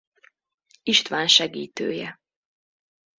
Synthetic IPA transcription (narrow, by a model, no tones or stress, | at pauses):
iʃt̪ʋaːnʃɛɡiːt̪ø̰ːjɛ